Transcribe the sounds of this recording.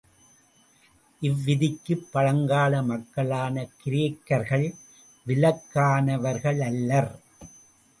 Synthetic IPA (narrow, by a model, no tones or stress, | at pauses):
ʔɪʋːɪðɪkːɯpːɐɻɐŋɡaːlɐmɐkːɐɭaːnɐkɪɾeːkːɐɾɣɐɭ | ʋɪlɐkːaːnɐʋɐɾɣɐɭɐlːɐɾ